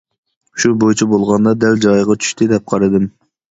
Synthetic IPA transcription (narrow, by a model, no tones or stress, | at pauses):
ʃubojt͡ʃʰibolˠʁɑnd̪ɑd̪ɛld͡ʒɑjʁɑt͡ʃʰy̥ʃt̪ʰɪd̪ɛp̚qʰɑɾɨd̪ɨm